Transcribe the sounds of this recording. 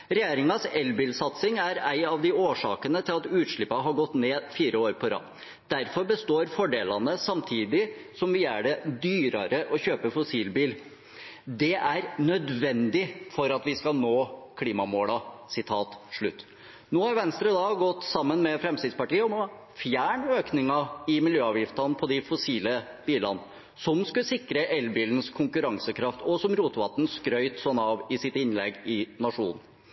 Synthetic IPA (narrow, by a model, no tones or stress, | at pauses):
ɾɛjeːɾɪŋɑsɛlbiːlsɑt̪sɪŋæɾæɪɑʋd̪ɪoːʂɑ̰ːkənət̪ʰɪlɑt̪ʉːt̪ʂɭɪpːɑɦɑɾɡɔt̪ːneːfiːɾʔəoːɾpʰɔɾɑ̰ː | d̪̥æɾfɔɾbəst̪oːɾfɔɖeːlɑnəsɑmt̪ʰiːd̪ɪsɔmʋɪjæːɖɛd̪yːɾɑɾəʔɔçøːpəfɔsiːlbiːl | d̪ɛʔæɾnœd̪ʋɛnd̪ɪfɔɾɑt̪ʋɪskɑnoːkʰliːmɑmoːlɑsɪt̪ʰɑːt̪ʂɭʉt̪ː | noːhɑɾʋɛnst̪ɾəd̪ɑɡɔt̪ːsɑmːənmɛfɾɛmst̪ɪːd̪spɑʈiːəɔno | fjæːɳøːknɪŋɑɪmɪljøːɑːʋjɪft̪ɑnpʰɔd̪ɪfʊsiːlə | b̥iːlɑ̰n | sɔmskʉsɪkɾəʔɛlbiːlnskʰʊŋkʉɾɑŋsəkʰɾɑft̪ɔsɔmɾuːt̪ʋɑt̪ːn̩skɾœʏt̪sɔnːɑʋɪsɪt̪ɪnlɛɡːɪnɑʂṵːnn̩